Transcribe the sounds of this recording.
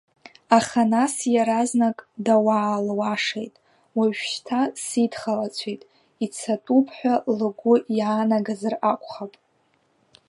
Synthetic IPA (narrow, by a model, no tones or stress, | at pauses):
aχanasjaɾaznakʼdawaːlwaʂejtʼ | waʒᶣʃtʰasidχalat͡sʷʰejtʼ | it͡sʰatʼupʰħʷᶣalɨɡʷʊjaːnaɡazɨrakʷʰʼχapʼ